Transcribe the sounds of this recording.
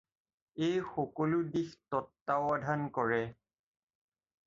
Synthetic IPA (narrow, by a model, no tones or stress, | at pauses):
ejxɔkɔlʊdixtɔtːaʊadʱankɔɹɛ